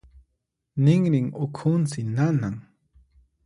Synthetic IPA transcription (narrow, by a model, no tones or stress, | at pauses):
nɪŋɾɪŋʊkʰʊnt͡sɪnanaŋ